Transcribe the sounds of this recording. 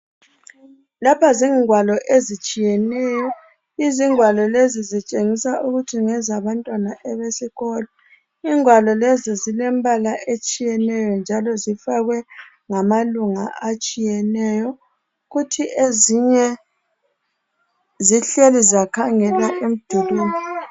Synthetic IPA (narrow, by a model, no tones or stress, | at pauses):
lapʰaziŋwalɔʔezit͡ʃʼijɛnɛːjɔ | iziŋwalɔlezizit͡ʃʼeŋisaʔuɣutʰiŋɛzaβantʼwanaʔɛβesiɣɔlɔ | iŋwalɔlezizilɛmbʱalaʔet͡ʃʼijɛnɛjɔnd͡ʒʱalɔzifaɣwɛ | ŋamaluŋa̰at͡ʃʼijɛnɛjɔ | ɣutʰiʔeziɲɛ | ziɬelizakʰaŋɛlaʔem̩d̥ʱuluːni